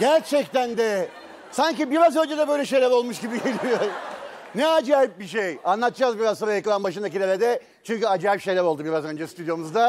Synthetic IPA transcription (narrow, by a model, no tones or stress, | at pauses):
ɟæɾt͡ʃʰɛc̚t̪ænd̪ɛ | saɲcibiɾazø̞nd͡ʒɛd̪ɛbøjlʲɛʃeɾʲɛvo̞lˠmuʃɟibiɟe̞lʲijo̞ɾ | nɛad͡ʒaːip̚biʃejanlˠat̪ɯd͡ʒaːzbiɾazoɾajakɯlˠanbaʃ̬ɯnd̪ac̬ilʲelʲed̪ɛ | t͡ʃʰyɲcyad͡ʒaːipʃelʲɛvo̞lˠd̪ubiɾazø̞nd͡ʒɛst̪ʰyd̪jomuzd̪a